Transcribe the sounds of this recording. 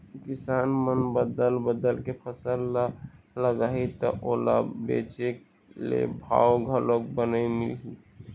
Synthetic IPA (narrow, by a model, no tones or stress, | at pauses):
kisanmənbəd̪əlbəd̪əlkepʰəsəl | ləɡait̪ɔʔola̰bḛt͡ʃek | lḛbʱa̰oɡʱəlok̚bənəimḭlɦi